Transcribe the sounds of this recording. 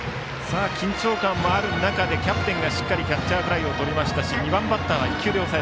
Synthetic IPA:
saːkʲĩɲ̟t͡ɕo̞ːkãmːoaɾɯ̟nakad̪e̞kʲapɯ̟̥t̪ẽ̞ŋɡaɕi̥kːaɾʲikʲat͡ɕt͡ɕːaɯpɯ̟ɾaio̞t̪o̞ɾʲimaɕi̥t̪aɕiɲ̟ibãmbat̪ːaβaikʲːɨːd̪e̞osaɾe

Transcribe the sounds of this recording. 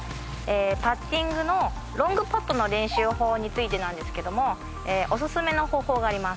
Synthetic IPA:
eːpat͡ɕːĩŋɡɯ̟no̞ | ɾõ̞ŋɡɯ̟pat̪ːo̞no̞ɾẽ̞ɰ̃ɕɨːho̞ːɲ̟it͡sɨit̪e̞nãnd̪e̞sɨ̥ke̞d̪o̞mo̞ | eːʔo̞s̬ɨsɨme̞no̞ho̞ːho̞ːɡaːɾʲimas

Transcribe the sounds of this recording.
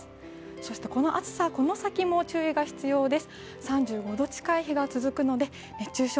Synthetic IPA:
so̞ɕi̥t̪e̞ko̞no̞ʔat͡sɨ̥sako̞no̞sakʲimo̞t͡ɕɨːiɡaçi̥t͡sɨjo̞ːd̪e̞sɨ̥ | sãɲ̟d͡ʑɨːɡo̞d̪o̞t͡ɕi̥kaiɦeɡat͡sɨzɨkɯ̟no̞d̪e̞ | net͡ɕːɨːɕo

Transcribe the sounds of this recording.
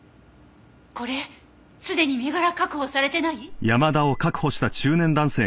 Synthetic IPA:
ko̞ɾe̞ | sɨd̪e̞ɲ̟ime̞ɡaɾakakɯ̟ho̞saɾe̞t̪e̞naijamad̪ao̞kakɯ̟ho̞ɕi̥t̪at͡ɕɨːnẽ̞nd̪ãɰ̃se̞ː

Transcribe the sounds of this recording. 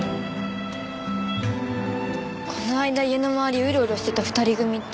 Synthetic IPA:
kʰo̞noaid̪aianomaβaɾʲiɯ̟ɾoːɾioɕi̥t̪et̪aɸɯ̟̥t̪aɾʲiɡɯ̟mʲi

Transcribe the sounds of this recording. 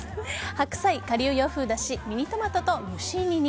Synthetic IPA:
hakɯ̟̥saikaɾʲiɯ̟jo̞ːɸɯ̟ːd̪aɕimʲiɲʲit̪o̞mat̪o̞t̪o̞mʲɯɕĩɲʲiɲʲi

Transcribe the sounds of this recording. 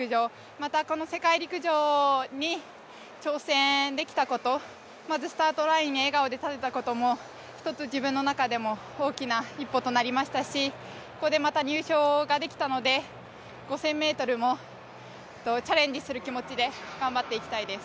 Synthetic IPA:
ɯ̟ʑo̞ː | mat̪ako̞no̞se̞kaiɾʲikɯ̟ʑo̞ːɲ̟i | t͡ɕo̞ːsẽ̞d̪e̞kʲi̥t̪ako̞t̪o̞ | mazɨsɨ̥t̪aːt̪o̞ɾaĩɲːieɡaod̪e̞t̪at̪e̞t̪ako̞t̪o̞mo̞ | çʲi̥t̪o̞t͡sɨʑibɯ̟̃nːo̞nakad̪e̞mo̞ | o̞ːkʲinaipːo̞t̪o̞naɾʲimaɕi̥t̪aɕi | ko̥ko̞d̪e̞mat̪aɲ̟ʲɨːɕo̞ːɡad̪e̞kʲi̥t̪ano̞d̪e̞ | ɡ̥o̞sẽ̞mːe̞ːt̪o̞ɾɯ̟mo̞ | t̪ːo̞t͡ɕaɾẽ̞ɲ̟d͡ʑisɨɾɯ̟kʲimo̞t͡ɕid̪e̞ɡ̥ãmbat̪ːe̞ikʲi̥t̪aid̪e̞sɨ̥

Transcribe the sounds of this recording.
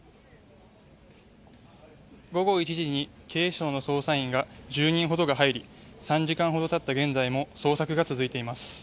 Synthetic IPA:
ɡo̞ɡo̞it͡ɕiʑiɲ̟i | kʰe̞ːɕo̞ːnoso̞ːsaĩŋɡad͡ʑɨːɲ̟ĩɰ̃ɦo̞d̪o̞ɡaɦaiɾʲisãɲ̟d͡ʑikãɰ̃ɦo̞d̪o̞t̪at̪ːaɡẽ̞nd͡zaimo̞so̞ːsakɯ̟ɡat͡sɨzɨit̪e̞imasɨ̥

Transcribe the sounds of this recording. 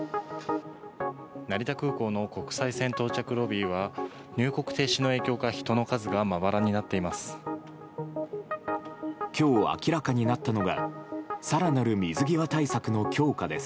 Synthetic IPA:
naɾʲit̪akɯ̟ːko̞ːno̞ko̞kɯ̟̥saisẽ̞nt̪o̞ːt͡ɕakɯ̟ɾo̞bʲiːβa | ɲɨːko̞kɯ̟̥t̪e̞ːɕino̞e̞ːkʲo̞ːkaçi̥t̪o̞no̞kazɨɡamaβaɾaɲ̟inat̪ːe̞imasɨ̥ | kʲo̞ːa̰kʲiɾakaɲ̟inat̪ːano̞ɡa̰saɾanaɾɯ̟mʲizɨɡʲiβat̪aisakɯ̟no̞kʲo̞ːkad̪e̞s

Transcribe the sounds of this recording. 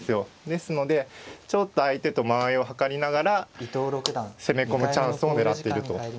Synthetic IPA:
sɨjo̞d̪e̞sɨno̞d̪e̞t͡ɕo̞t̪ːo̞ait̪e̞t̪o̞maeo̞ɦakaɾʲinaɡaɾaoɾse̞me̞ko̞mɯ̟t͡ɕãɰ̃sɨo̞ne̞ɾat̪ːe̞iɾɯ̟t̪o̞

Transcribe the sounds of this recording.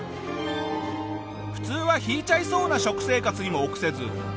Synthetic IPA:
ɸɯ̟̥t͡sɨːβaçiːt͡ɕaiso̞ːnaɕo̞kɯ̟̥se̞ːkat͡sɨɲ̟imo̞ːkɯ̟̥se̞zɨ

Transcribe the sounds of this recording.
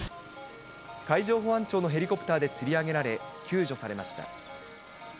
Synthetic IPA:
kaiʑo̞ːɦo̞ãɲt͡ɕo̞ːno̞ɦe̞ɾʲiko̞pɯ̟̥t̪aːd̪e̞t͡sɨɾʲiaɡe̞ɾaɾe̞kʲʰɨːʑo̞saɾe̞maɕi̥t̪a̰

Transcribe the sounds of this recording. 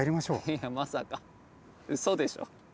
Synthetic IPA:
iɾʲimaɕo̞ːjamasaka | ɯ̟sod̪e̞ɕo̰

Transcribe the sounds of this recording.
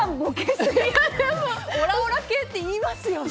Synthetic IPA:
amɡokesiemooɾaoɾaket̪ːeiːmasɨjo

